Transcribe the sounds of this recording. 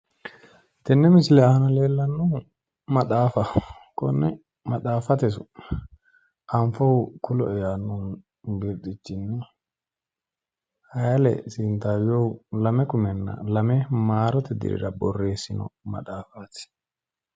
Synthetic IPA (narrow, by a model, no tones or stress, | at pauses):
t̪ɛnːɛmɪsɪlɛɐhɐnɐle̞ːlːɐnːu | mɐɗaːfɐkɔnːɛ | mɐɗaːfɐt̪ɛs̬ʊ | ʔɐɱfɔwkʰʊlɔɛjaːnːun | bɪɾd̪ɪt͡ʃːɪnːɛ | hɐjɐlɛ̰sɪnt̪aːwjɔwlɐmɛkʊmɛnːɐ̰lɐmɛmaːɾɔt̪ɛd̪ɪ̰ɾɪ̰ɾɐbɔrːe̞ːsːɪnɔ̰mɐ̰ᶑaːfaːt̪ɪ̥